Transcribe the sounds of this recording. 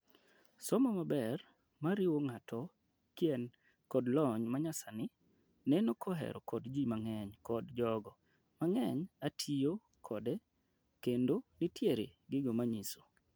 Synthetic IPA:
sɔmɔmabɛr | maɾɪwoŋatʰɔ | kjɛn | kɔdlɔɲmaɲasanɪ | nɛnokʰɔɦɛ̰ɾɔ̰kɔdd͡ʒimaŋɛɲkɔdd͡ʒɔɡɔ | maŋɛɲatʰijo | kʰɔde | kendonɪtjeɾḛɡɪɡomaɲiso̥

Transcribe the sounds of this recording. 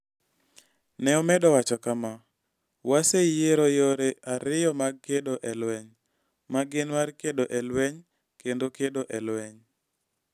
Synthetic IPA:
nɛɔmɛdɔwat͡ʃɔkama | wasejeɾojoɾeaɾɪjɔmaɡ̚kedoʔɛlwɛɲ | maɡɪnwarkedoʔɛlwɛɲ | kendokedoʔɛlwɛɲ

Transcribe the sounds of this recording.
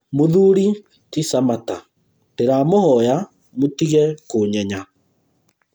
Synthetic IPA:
moðuɾi | tisamata | teɾamohɔja | motiɣɛkoɲɛɲa

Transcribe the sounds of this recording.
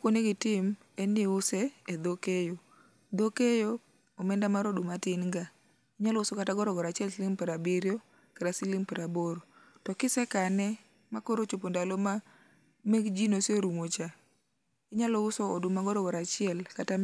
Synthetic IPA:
koneɡɪtɪm | ɛniʊsɛːd̪okejo | d̪okejoː | mɛndamaɾodumatɪnŋɡa | ɪɲalɔʊsɔkataɡɔɾɔɡɔɾat͡ʃɪɛlsɪlɪmpɛɾabɪɾjo | kaɾasɪlɪmpɛɾaboɾo | tɔkɪsɛkanɛ | makoɾot͡ʃopondaloma | meɡd͡ʒinosjoɾumot͡ʃa | ɪɲalɔʊsoodʊmaɡɔɾɔɡɔɾat͡ʃɪɛlkata

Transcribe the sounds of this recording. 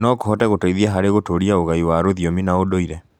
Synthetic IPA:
nɔkohɔtɛɣotoiðiɛɦaɾeɣotoɾiaoɣaiwaɾoðiominaodoiɾɛ

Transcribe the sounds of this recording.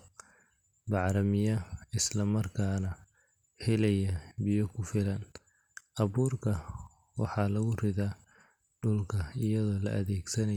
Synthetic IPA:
bɑʕɾɐmɪjɐɪslɐmɐrkʰaːnɐ | hɛlɛjɐbɪjɔkʰʊfɪlɐn | ʔɐβuːrkʰɐ | wɑ̰ħɑːlɐɣʊrɪðaː | ɖʊlkʰɐɪjɐðɔːlɐ̰ʔɐðɛːɡsɐnɐ

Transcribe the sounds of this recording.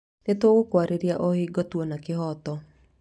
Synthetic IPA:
nɪt̪wɔwokwaɾeɾjaʔohɪɡɔt̪wonakɪɦɔt̪ɔ

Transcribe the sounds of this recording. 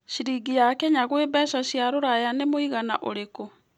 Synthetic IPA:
ʃiɾiɡijakɛɲaɣwebɛʃaʃjaɾoɾajanemoiɣana̰ʔoɾeko

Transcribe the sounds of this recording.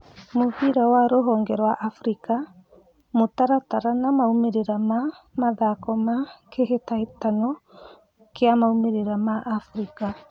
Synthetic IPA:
moβiɾawaɾoɦɔːŋɡɛɾwaʔafɾika | motaɾataɾanamaumeɾeɾama | maðakɔmakehetaetanɔ | keamaumeɾeɾamaʔafɾika

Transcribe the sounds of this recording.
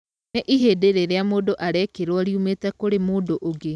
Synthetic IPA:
ɛʔiɦeːdeɾeɾeamoːdoʔaɾɛkeɾwɔɾiumeːtɛkoɾemoːdoʔoɣe

